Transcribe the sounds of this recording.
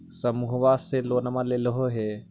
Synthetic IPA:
səmuɦʋaseloːnɐmãleləɦoɦe

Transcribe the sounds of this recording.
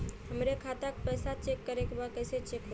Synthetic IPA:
ɦəmɾekʰat̪ak̚pəjsat͡ʃekːəɾekbakəɪset͡ʃekɦo

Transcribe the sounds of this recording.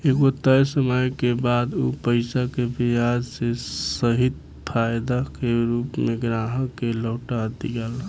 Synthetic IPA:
ekɡot̪əjsəməjkebad̪upəɪsakebijad͡ʒsesəɦit̪ | pʰajd̪akeɾupmeɡɾaɦəkːeləːʈat̪iɡɛl

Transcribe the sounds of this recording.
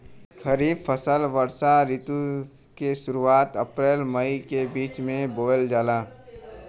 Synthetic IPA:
kʰəɾiːbfʰəsəlʋəɾsaɾit̪u | keʃʊɾuaːt̪ɐpɾeːlməikebiːt͡ʃmẽboːəld͡ʒaːlaː

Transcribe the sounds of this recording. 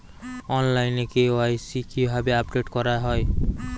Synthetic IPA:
ɔnlajnekewajsikibʱabeapɖeʈkɔɾaɦɔj

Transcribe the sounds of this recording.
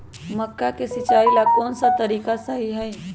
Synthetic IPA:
məkːakesɪt͡ʃaːilakɔːnsat̪əɾiːkasəɦiɦəj

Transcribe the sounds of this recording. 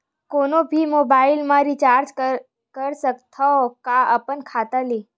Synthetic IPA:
konobʱimobailmãɾit͡ʃaɾd͡ʒə | kəɾsək̚t̪ʰakaəpənkʰat̪ali

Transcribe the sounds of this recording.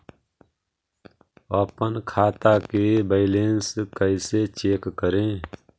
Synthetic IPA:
əpənkʰaːt̪akebeɪleːnskəɪset͡ʃeːkːəɾẽː

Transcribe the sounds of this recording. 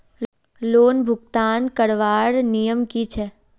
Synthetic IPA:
loːnbʱʊɡt̪aːnkəɽʋaːɾnijəmkit͡ʃʰɛ

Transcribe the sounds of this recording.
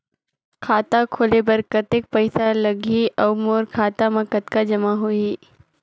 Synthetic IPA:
kʰaːt̪akʰoːlebɐɾkət̪eːk̚pɐɪsalɐɡʱiɔːmoːɾkʰaːt̪amɐ̃kət̪kad͡ʒɐmaɦui

